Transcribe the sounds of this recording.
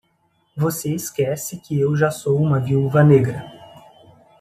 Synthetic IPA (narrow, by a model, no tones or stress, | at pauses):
voseɪskɛsɪkɪewʒasowũmɐviuwvɐneɡɾɐ